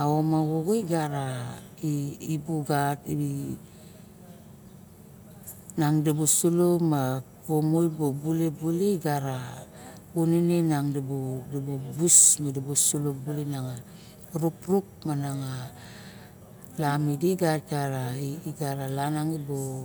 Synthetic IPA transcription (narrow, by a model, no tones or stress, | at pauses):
aomaɣoɡoiɡaɾaiːbuɡati | naŋdabusulomapomojbobulebuleiɡaɾa | uninenaŋdabudabobusmadabosulobulenaŋa | ɾupɾuk̚manaŋa | lamidiɡat̚ɡaɾaiːɡaɾalanaŋibo